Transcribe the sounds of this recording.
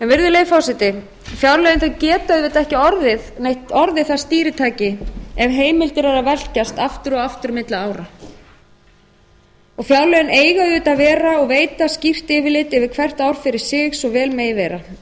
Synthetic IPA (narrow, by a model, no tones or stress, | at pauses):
ɛnvɪɾðʏleːjfawsɛt̪ɪ | fjawlœjɪnθacɛːt̪aðvɪt̪ɛhcɪɔɾðɪðnejht̪ɔɾðɪθast̪iːɾɪt̪ʰaːjcɪɛvɦeːjmɪlt̪ɪɾaɾavɛl̥cast̪aft̪ʏɾɔɣaft̪ʏɾmɪt̪laaːwɾa | ɔɣfjawlœjɪneːjɣaðʏːt̪aðvɛːɾaɔɣveːjt̪ascir̥t̪ɪːvɪlɪt̪ɛvɪkʰvɛr̥t̪awɾ̥fɪɾɪɾ̥sɪxsɔɣvɛːlmeːjvɛːɾa